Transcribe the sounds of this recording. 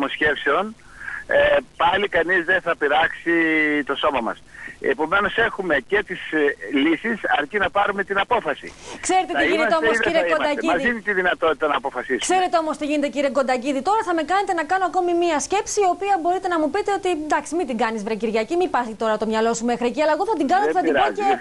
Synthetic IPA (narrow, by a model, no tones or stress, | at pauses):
mosçe̞pseo̞n | pɐlikɐnizðenθɐpiɾɐksit̪o̞so̞mɐmɐ̰sepo̞me̞no̞se̞xume̞ce̞t̪islisisɐɾcinɐpɐɾume̞t̪inɐpo̞fɐsḭkse̞ɾet̪et̪iʝineteomosiɾekomd̪ɐiɐzðint̪iðinɐt̪o̞t̪i̥t̪ɐnɐpo̞fɐsiskse̞ɾe̞t̪eo̞mo̞st̪iʝine̞t̪eciɾieko̞nd̪ɐciðit̪o̞ɾɐθɐme̞kɐne̞t̪e̞nɐkɐnoɐko̞mimiɐsce̞psiːo̞piɐbo̞ɾit̪e̞nɐmupit̪e̞ot̪ind̪ɐksimit̪iŋɡɐnizvɾeciɾʝɐcimipɐsit̪o̞ɾɐɐt̪o̞mɲɐlo̞sume̞xɾieciɐlɐe̞ɣo̞θɐt̪iŋɡɐnoθɐt̪ioe